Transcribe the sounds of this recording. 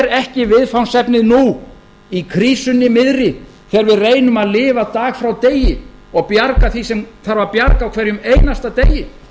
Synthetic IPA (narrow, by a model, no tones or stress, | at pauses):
ɾɛhcɪvɪðfawnsɛpnɪðnu | ikʰɾiːsʏnːɪmɪðɾɪ | θɛːɾvɪðreːjnʏmaðlɪːvat̪aːɣfɾawt̪eːjɪɔɣpjaɾkaθisɛmθaɾvaɾpjaɾkawkʰvɛɾjʏmeːjnast̪at̪ejɪ